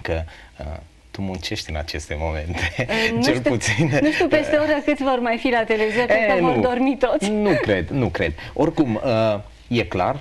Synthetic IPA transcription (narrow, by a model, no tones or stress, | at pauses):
kəə̰ | t̪umunt͡ʃe̞ʃt̪ʲɨna̰t͡ʃe̞st̪e̞mo̞me̞̰nt̪ent͡ʃelp̪ut̪sinnuʃt̪upest̪eoɾʲakɨt̪ʲvo̞rmajfilat̪elevizonɨkənvurd̪o̞rmit̪o̞t̪sʲnukɾe̞d̪nukɾe̞d̪̚ | o̞rkumə | je̞kla̰r